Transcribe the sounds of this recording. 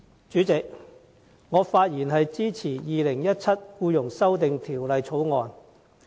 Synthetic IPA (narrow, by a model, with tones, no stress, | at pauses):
t͡ʃyː˨˥t͡sɪ˨k̚ | ŋɔː˨˧faː˧t̚jiː˨˩nɦɐ˨jt͡siː˥t͡sʰiː˨˩jiː˨lɪ˨˩ŋjɐ˥t̚t͡sʰɐ˥t̚kuː˧jʊ˨˩ŋsɐ˥wt̪ɪ˨ŋt̪ʰiː˨˩wlɐ˨jt͡sʰo˨˥wŋɔː˨n